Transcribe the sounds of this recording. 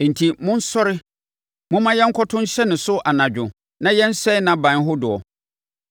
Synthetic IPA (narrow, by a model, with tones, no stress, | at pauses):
n̩˨tʰi˨mʊ̃˦n̩˦sɔ˦ɾɪ˦ | mʊ̃˦mã˦jɛ˦ŋ̩˦kʰɔ˦tʰʊ̃˦n˦ɕɛ˦nɪ̃˨sʊ˦ʔa˨nã˨d͡ʑᶣʊ̃˨ | nã˦jɛ˦n̩˦sɛ˦nã˨bã˨n˦ɦʊ˦dʊ˨ɔ̰˨